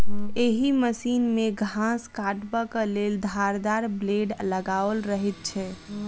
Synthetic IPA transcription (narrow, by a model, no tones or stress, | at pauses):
eɦiməsinmeɡʱãskaʈbəkəleld̪ʱaɾd̪aɾbleɖləɡaəlɾəɦit̪̚t͡ʃʰɛ